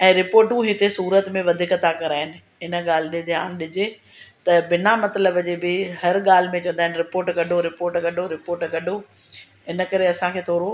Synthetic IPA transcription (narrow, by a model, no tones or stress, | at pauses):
ɛ̃ːɾɪpoːɾʈũɦɪt̪esuːɾət̪mẽʋɐd̪ʱɪkɐt̪akɐɾaːɦɪnɪ̆ | ɪnə̆ɠaːl̤ɪɗɪ̃nd̪ijaːnɪɗɪd͡ʑe | t̪ɐbɪnamɐt̪ləbd͡ʑeːbɪɦɐɾɠaːl̤ɪ̆mẽt͡ɕɐ̃nd̪aːɦɪnɪɾɪpoːɾʈɡɐɖʱoɾɪpoːɾʈɡɐɖʱoɾɪpoːɾʈɡɐɖʱo | ɦɪnə̆kɐɾeɐsãkʰeːt̪ʰɔːɾo